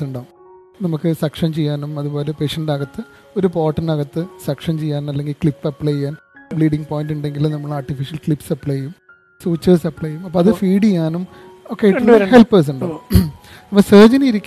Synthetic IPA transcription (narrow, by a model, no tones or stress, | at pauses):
uɳɖaː | nɐmukːɨsɐkʂɐnt͡ɕejːaːnumɐðubo̞ːle̞pe̞ːʂɐndaːɣɐt̪ːɨ | o̞ɾupo̞ːʈːɐnɐɣɐt̪ːɨsɐkʂɐnt͡ɕejːaːnmɐlːe̞ŋɡilkɭipːɐpːɭejːaːn | bɭiːɖiŋɡpo̞ːjinduɳɖe̞ŋɡilmnɐmːɐɭaːrʈːifiʂɐlkɭipːsɐpːɭejum | suːt͡ɕːɐːsɐpːɭɐjumɐpːoːɐðɨfiːɽijːaːnum | oːkːeiɐlːhelpːɐːs̬uɳɖaː | ɐmːɐsɐːd͡ʑɐniiɾikʲː